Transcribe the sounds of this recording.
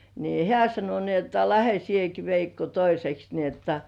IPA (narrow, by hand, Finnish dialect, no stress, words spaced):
niː hĕæˑ sɑno ni otːɑ læhe sieki ʋeikːo toiseks ni otːɑ